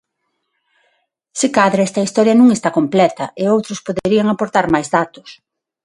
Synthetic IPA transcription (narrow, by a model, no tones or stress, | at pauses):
sikaðɾɐɛst̪ɐist̪ɔɾjɐnũŋest̪akomplɛt̪ɐʔɪowt̪ɾʊspoðeeɾiɐŋapoɾt̪aɾmajzðat̪ʊ̥s